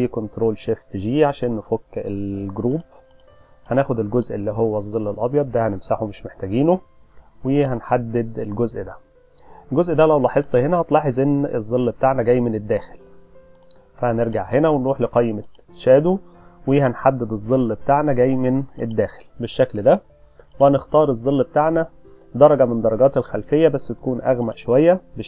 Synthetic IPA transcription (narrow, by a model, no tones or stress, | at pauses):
ʔæjːkont̪ɾoːlʃeːft̪eʒiːʕaʃæːnːofokːelɡoɾuːb | hænæːxod̪elɡozʔelːiɦowːæzˤːelːelʔɑbjɑd̪̚ˤːæhænemsaħomeʃmeħt̪æɡiːno | wehænħad̪ːed̪elɡozʔd̪æ | elɡozʔd̪ælæwlɑːħezˤt̪ˤɑhenæhɑt̪lɑːħezˤʔenːezˤːelːbet̪aʕnæɡæjːmened̪ːæːxel | fæhneɾɡaʕhenæwenɾˤuːħleqɑjːmeʃæːd̪uwehænħad̪ːed̪ezˤːelːbet̪aːʕnæɡæjːmened̪ːæːxe̥lbeʃːækld̪æ | wehænext̪ɑːɾˤezˤːelːbet̪aʕnæ | d̪ɑɾˤɑɡɑmend̪ɑɾˤɑɡɑːt̪elxælfejːæbæsːt̪æ̥kuːnʔæɣmæʔʃowæjːæbe